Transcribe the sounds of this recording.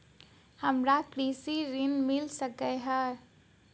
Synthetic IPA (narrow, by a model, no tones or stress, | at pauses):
həmɾakɾisiɾinmilsəkəɦə